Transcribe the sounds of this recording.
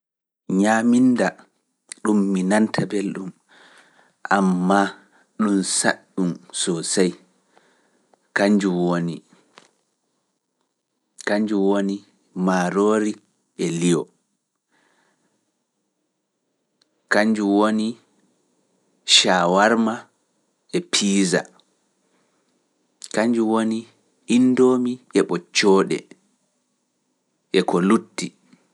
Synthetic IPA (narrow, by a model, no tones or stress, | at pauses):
ɲaminda | ɗumːinantʰabelɗum | ʔamːa | ɗumsa̰ɗːumsɔsaj | kaɲd͡ʒuwonḭ | kaɲd͡ʒuwoni | maːɾoːɾi | ʔɛlijɔ | kaɲd͡ʒuwoni | ʃaːwaɾma | ʔɛpʰiːza̰ | kaɲd͡ʒuwoni | indoːmiɛɓɔt͡ʃːɔːɗɛ̰ | ʔɛkɔlutːi